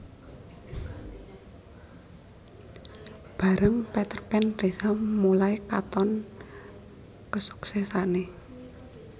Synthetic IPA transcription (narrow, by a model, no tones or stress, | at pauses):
b̥a̤ɾəŋpet̪ərpɛnresamulajkat̪ɔn | kəsu̥ksɛsane